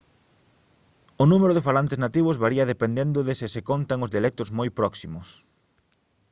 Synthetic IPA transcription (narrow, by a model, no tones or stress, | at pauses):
ʊnumeɾʊðɪfalant̪eznat̪iβʊzβaɾiɐðepend̪end̪ʊðɪsɪsekont̪aŋʊzðialɛk̚t̪ʊzmojpɾɔksimʊs